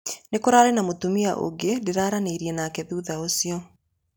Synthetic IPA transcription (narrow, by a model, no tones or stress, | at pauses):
nekoɾaːɾenamotumia̰ʔo̰ɡedeɾaːɾaneiɾiɛnakɛðuðaosiɔ